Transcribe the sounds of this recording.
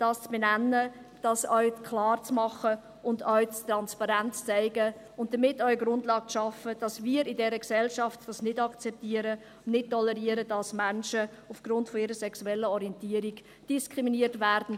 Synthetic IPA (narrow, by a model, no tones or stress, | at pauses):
d̥ɑːst͡sb̥enænːə | d̥ɑsœʏkʰlɑːrt͡smɑχə | ʊndœʏt͡stɾɑnspɑɾænt͡st͡saɪɡə | ʊnt̚d̥əmɪtːœʏəɡɾʊndlɑːk̚t͡sʃɑfəd̥ɑsmiːɾɪdɛɾəksɛlʃɑftd̥ɑsnɪdɑkt͡sɛp̚tiːəɾə | nɪt̚tːɔlɛɾiəɾəd̥ɑsmænʃə | ufɡ̥ɾʊntfɔɪɾəsɛksuɛlːəɔɾiɛntiːəɾiɡ̥ | d̥iskʁiminiətvæɾdn̩